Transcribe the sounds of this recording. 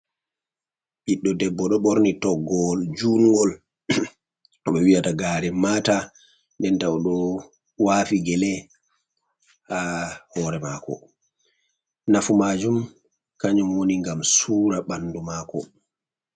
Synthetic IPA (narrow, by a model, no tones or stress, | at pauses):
ɓiɗːɔdɛbːɔɗɔɓoɾnitɔɡɔld͡ʒuŋɡɔl | ɔɓɛwijataɡaːɾɛmaːta | ndɛntawɗɔ | waːfiɡɛlɛ | hahɔɾɛmakɔ̰ | nafumaːd͡ʒum | kaɲumwoniŋɡamsuːɾaɓanːdumaːkɔ̰